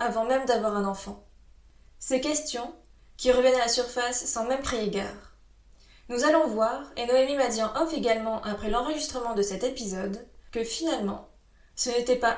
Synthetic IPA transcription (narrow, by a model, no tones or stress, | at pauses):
avɑ̃mɛmd̪avwaʁɛ̃nɑ̃fɑ̃ | sekʲɛst̪jɔ̃ | kʲiʁəvjɛnalasyʁfasːɑ̃mɛmkχeeɡa̰ːʁ | nuzalɔ̃vwaʁenɔɛmimad̪jɛ̃ʔɔfeɡalmɑ̃ʔapχɛlɑ̃ʁəʒist̪χəmɑ̃d̪əsɛt̪epizɔd̪kəfinalmɑ̰̃ | sənet̪ɛpa